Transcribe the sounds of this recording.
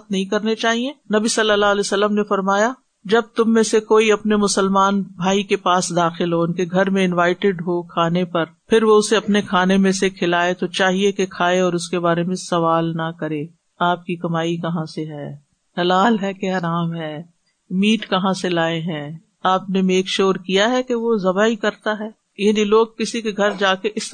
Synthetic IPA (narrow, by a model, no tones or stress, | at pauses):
t̪̚nɐɦĩkɐɾnet͡ʃaːɦienɐbisɐlːəlːaːlɛːsɐlːəmnefɐɾmaːja | d͡ʒɐb̚t̪ʊmːẽsekoːiɐpnemʊsəlmaːnbʱaːikepaːsd̪aːxɪlɦoɪnkeɡʱɐɾmẽɪ̃nʋaːɪʈɪɖɦokʰaːnepɐɾpʰɪɾʋoʊseɐpnekʰaːnemẽsekʰɪlaːet̪ot͡ʃaːɦiekekʰaːeɔːɾʊskebaːɾemẽsɐʋaːlnɐkɐɾẽː | aːp̚kikɐmaːikɐɦãseɦɛː | hɐlaːlɦɛkeɦɐɾaːmɦɛː | miːʈkɐɦãselaːeɦɛ̃ | aːpnemeːkʃoːɾkijaɦɛkeʋozɐbaikɐɾt̪aɦɛː | jaːniloːɡ̚kɪsikeɡʱɐɾd͡ʒaːkeʔɪs